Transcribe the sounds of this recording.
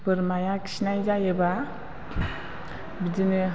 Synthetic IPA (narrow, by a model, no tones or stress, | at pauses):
pɯɾmajakʰi̥sinajzajeba | bidinɯ